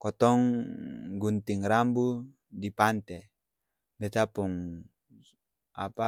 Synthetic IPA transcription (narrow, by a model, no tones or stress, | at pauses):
kɔt̪ɔŋ | ɡunt̪iŋɾambu | dipant̪ɛ | bɛt̪apuŋ | a̰pa